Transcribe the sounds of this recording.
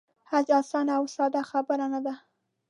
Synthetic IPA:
had͡ʒɑsɑnaawsɑd̪axabəɾanad̪a

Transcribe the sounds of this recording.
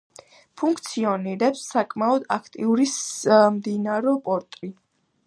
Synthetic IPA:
pʰuŋkʰt̪sʰiɔniɾɛpsːakʼmaɔd̪a̰kʰt̪ʼiuɾismd̪inaɾɔpʼɔɾt̪ʼɾi

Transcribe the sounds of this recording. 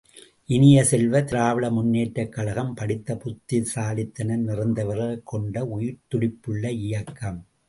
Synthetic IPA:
ʔɪnɪjɐsɛlʋɐt̪ɪɾaːʋɐɭɐmʊnːeːʈːɐkːɐlɐɣɐmpɐɽɪt̪ːɐpʊt̪ːɪsaːlɪt̪ːɐnɐnɪrɯnd̪ɐʋɐɾɐkʰːɔɳɖɐʊjɪɾt̪ʊɽɪpːɯɭːɐɪjɐkːɐm

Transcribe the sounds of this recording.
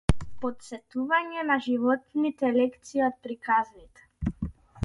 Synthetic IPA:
pɔt̪sɛt̪uvaɲɛnaʒivɔt̪nit̪ɛlɛkt̪siɔt̪̚pɾikaznit̪ɛ̥

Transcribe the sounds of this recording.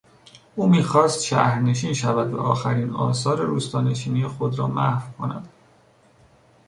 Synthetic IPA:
ʔuːmiːxɒːst̪ʃæ̰hɾne̞ʃiːnʃævæd̪væ̰ʔɒːxæɾiːnɒ̰ːsɒːɾe̞ɾuːst̪ɒːne̞ʃiːnijexo̞d̪ɾɒːmæhfkʰo̞næ̰d̪̥

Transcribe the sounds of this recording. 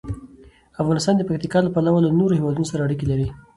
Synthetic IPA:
afɣɑnɪst̪ɑnd̪əpak̚t̪ikɑlapalawalanoɾohɪwɑd̪unosaɾaːɽikelaɾi

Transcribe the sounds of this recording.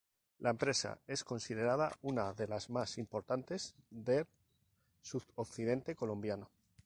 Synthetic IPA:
lʔaempɾe̞sa̰e̞sko̞nsið̞e̞ɾað̞aunaðe̞lazmasimpo̞ɾt̪ant̪e̞zðe̞ | sutokθið̞e̞nt̪e̞ko̞lombjano

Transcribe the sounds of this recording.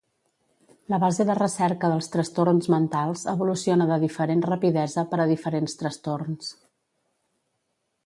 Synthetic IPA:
ləβazeðərəsɛɾkəðəlˠst̪ɾəst̪ornzmənt̪alˠzəβulusionəðəðifəɾenrəpiðɛzəpəɾəðifəɾenst̪ɾəst̪orns

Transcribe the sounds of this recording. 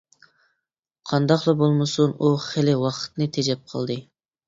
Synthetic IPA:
qʰɑnd̪ɑqlˠɑbolˠmɨsunuχɪlɪwɑqʰə̥t̪nɨt̪ʰɛd͡ʒɛp̚qʰɑ̰lˠd̪ɨ

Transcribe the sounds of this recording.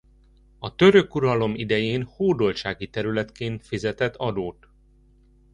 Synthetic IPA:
ɒt̪ø̞ɾø̞kuɾɒlo̞mid̪ɛjeːnhoːd̪o̞lt͡ʃaːɡit̪ɛɾylɛt̪keːnt̪fizɛt̪ɛt̪ʰːɒd̪oːt̪

